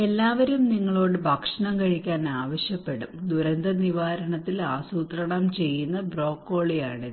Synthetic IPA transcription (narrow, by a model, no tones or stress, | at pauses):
e̞lːaːʋɐɾumniŋːɐɭo̞ːɽɨbʱɐkʂɐɳɐmkɐɻikʲːaːnaːʋɐɕjɐpːe̞ɽumd̪uɾɐnd̪ɐniʋaːɾɐɳɐt̪ːilaːsuːt̪rɐɳɐmt͡ɕe̞jːunːɐbro̞ːkːo̞ːɭijaːɳɨ